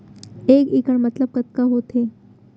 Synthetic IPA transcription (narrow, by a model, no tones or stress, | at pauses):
ekikəɳmət̪ləb̚kət̪kaɦot̪ʰe